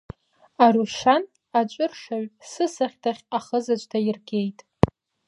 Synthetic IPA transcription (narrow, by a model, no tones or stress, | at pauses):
aɾuʃan | at͡ʃʷʼʊrʂaɥsɨsaχʲtʰaχʲaχəzat͡ʃʷʼdʰajɪrɡʲejtʼ